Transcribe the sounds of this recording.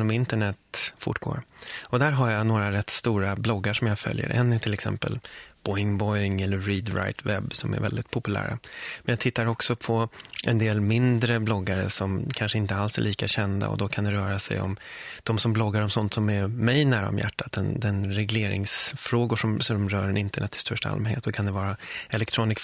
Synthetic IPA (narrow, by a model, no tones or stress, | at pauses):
nɔmɪnt̪əɳɛt̪fʊ̰ʈːɡ̥o̰ːɾɔd̪æːɾɦaɾjanoːɾaɾɛt̪ːst̪uːɾablɔɡːaʂɔmjafœ̰ljə̰ɾʔɛ̰nːɛʈ̪ʰɪlɛksɛ̰mpə̰lb̥ɔjŋbɔjŋɛlːəːiːd̪ɾa̰jt̪ʰvɛbːsɔmæ̰ɾvɛ̰ld̪ɪt̪̚pʰʊpɵlæ̰ːɾa̰mɛnjat̪ʰɪt̪ːaɾɔksɔpʰɔʔɛnd̪eːlmɪnd̪ɾəblɔɡːaɾə̰sɔmkʰanʂəɪnt̪əalsæ̰ɭʔiːkaɕɛnd̪a̰ɔ̰d̪ɔkʰand̪ɛɾœːɾasɛ̰jɔ̰md̪̥ɔmsɔmblɔɡːaɾɔmsɔnt̪sɔmɛɾmɛjnæːɾa̰ɔ̰mjæ̰ʈːat̪̚d̪ɛnd̪ɛnɾɛɡleːɾɪ̰ŋsfɾoːɡʊʂɔmsɔmɾœːɾɛnɪnt̪əɳʔɛt̪ʰːɪ̥st̪œʂʈaa̰lmɛnhḛːt̪ːd̪ɔkʰand̪ɛvɑːɾaɛlɛkt̪ʰɾuːnɪsk